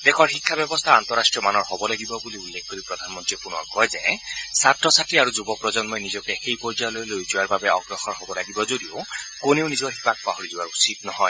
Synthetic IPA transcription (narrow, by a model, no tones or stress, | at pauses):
d̪ekʰɔɹɦikʰːabjɔbɔst̪ʰaːnt̪ɔɾasʈɹijɔmanɔɹɦɔbɔlaɡibɔbuliulːekʰkoɾipɾɔd̪ʱanɔmɔnt̪ɾiepunɔkɔjzesatɾɔsaʈiaɾud͡ʒubɔpɾɔd͡ʒɔnmɔjnizɔkexejpɔɾd͡ʒalɔjlojd͡ʒiwaɹbabeɔɡɾɔxɔnɦɔbɔlaɡibɔd͡ʒod̪iokoneonizɔɦibak̚paɦɔɾidiwaɹusit̪nɔɦɔj